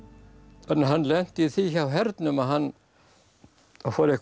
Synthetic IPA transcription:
ɛnːɦanːlɛn̥t̪iθiçawɦɛɾt̪nʏmaðɦanː | afoːɾɪk

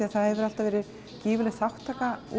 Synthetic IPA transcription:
iaθaðhɛvʏɾal̥t̪avɛːɾɪð | ciːvʏlɛθawht̪ʰːaːkau

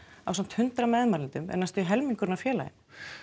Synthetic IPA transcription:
a̰wsam̥t̪hʏnt̪ɾamɛːðmaɾlɪnt̪ʏmʔɛ̰nːast̪ʏɦɛlmiŋkʏɾnafjɛːla̰jɪ̰m

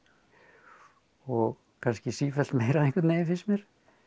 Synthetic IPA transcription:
ɔɣ | kʰanscɪsiːfɛlt̪meːjɾaðeŋkwat̪neːjɪfɪsmjɛɾ̥

